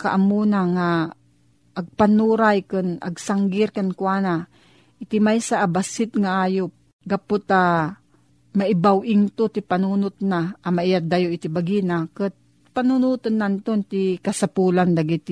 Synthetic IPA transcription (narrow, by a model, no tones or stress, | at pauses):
ka̰ʔamunaŋa | ʔːɡ̚panuɾajkɨna̰ɡsaŋɡɪɾkankwana | ʔɪt̪imajsaʔːbasɪt̪̚ŋaʔaːjop̚ | ɡapʊt̪a | maɪbawʔɪŋt̪ot̪ipanuːnʊt̪̚naʔamaijat̪̚d̪ajoʔit̪ibaɡinakɨt̪̚ | panunut̪ɨnːant̪ont̪ikasapuland̪aɡit̪